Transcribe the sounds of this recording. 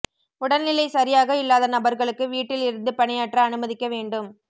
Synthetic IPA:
ʊɽɐnnɪlɐɪsɐɾɪjaːɣɐɪlːaːðɐnɐbɐɾɣɐɭɯkːɯʋiːʈːɪlɪɾɯnd̪ɯpɐɳɪjaːʈrɐːnɯmɐðɪkːɐʋeːɳɖɯm

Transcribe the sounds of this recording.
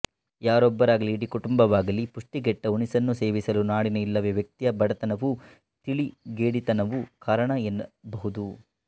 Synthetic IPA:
jaːɾɔbːɐɾaːɡɐliːɽikuʈumbɐʋaːɡɐlipuʂʈiɡɛʈːɐunisɐnːuse̞ːʋisɐlunaːɽinɐilːɐʋeʋjɐk̚t̪ijɐbɐɽɐt̪ɐnɐʋu | t̪iɭiɡeːɽit̪ɐnɐʋukaːɾɐɳɐenːɐbɐɦud̪u

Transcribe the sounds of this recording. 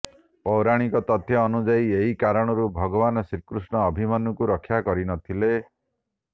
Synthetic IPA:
pɔwɾaɽ̃ikɔt̪ɔt̪ʰjɔːnud͡ʒaieɦikaɾɔɽ̃ɔɾubʱɔɡɔbanɔsiɾkɾusɳɔːbʱimɔnɔkuɾɔkʰːjakɔɾinɔt̪ʰile

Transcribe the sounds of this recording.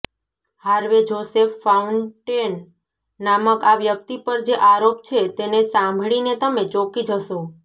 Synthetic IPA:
haɾʋed͡ʒosefːauɳʈenː | aməkaʋjəkt̪ipəɾd͡ʒeʔaɾopt͡ʃʰet̪enesãmbʱɭinet̪əmet͡ʃokid͡ʒəʃo

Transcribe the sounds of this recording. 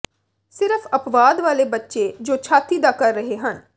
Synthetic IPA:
sɪɾəpʰəpʋaːd̪ʋaːleːbətːʃeːd͡ʒoːt͡ʃʰaːt̪iːd̪aːkəɾːəɦeːɦən

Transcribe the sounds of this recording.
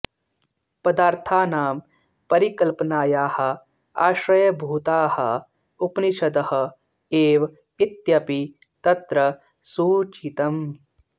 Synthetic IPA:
pɐd̪aːɾt̪ʰaːnaːm | pɐɾikɐlpɐnaːjaːhɐ̆ | a̰ːʃɾɐjɐbʱuːt̪aːhɐ̰ | upniʃɐd̪ɐhɐ̆ | eːʋ | it̪jɐpi | t̪ɐt̪ɾɐ | suːt͡ʃit̪ɐm

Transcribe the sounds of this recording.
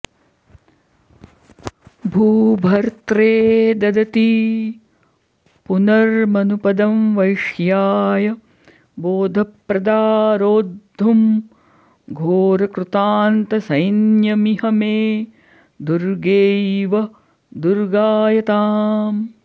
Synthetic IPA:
bʱuːbʱɐɾt̪ɾeːd̪ɐd̪ɐt̪i | punɐɾmɐnupɐd̪ɐmʋɐjʂjaːjɐ | boːd̪ʱɐpɾɐd̪aːɾoːd̪ʱːum | ɡʱoːɾɐkɾut̪aːnt̪ɐsɐjnjɐmiɦɐmeː | d̪uɾɡeːʋɐ | d̪uɾɡaːjɐt̪aːm

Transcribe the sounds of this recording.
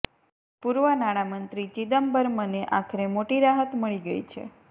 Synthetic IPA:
puɾʋənaɽ̃amənt̪ɾit͡ʃid̪əmbəɾməneʔakʰəɾemoʈiɾaɦət̪məɭiɡə̰jt͡ʃʰḛ

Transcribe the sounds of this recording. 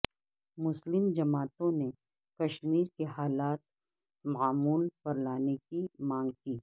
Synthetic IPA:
mʊslɪmd͡ʒɐmaːt̪õne | kɐʃmiːɾkeɦaːlaːt̪̚ | mɐaːmuːlpɐɾlaːnekimãːŋɡ̚kiː

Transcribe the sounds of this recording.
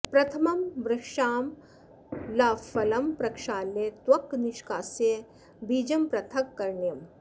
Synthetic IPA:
pɾɐt̪ʰɐmɐmbɾɪkʃaːm | lafɐlɐmpɾɐkʂaːlːet̪wɐkniʃkaːse | biːd͡ʒɐmpɾɐt̪ʰɐkːɐɾɳjɐm

